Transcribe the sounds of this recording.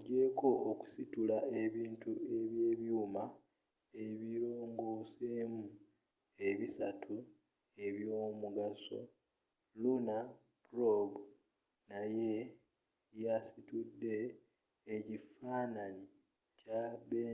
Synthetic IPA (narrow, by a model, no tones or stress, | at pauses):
ɟe̞ko̞ʔoku̥situlae̞βiːntue̞βje̞ːβjuːma | eβiɾoːŋɡoːseːmu | e̞βisatʰu | e̞βjo̞ːmuɡaso̞̰ | luna | pɾobu | naje̞ | jasitudːe̞ː | cifaːnani | caβe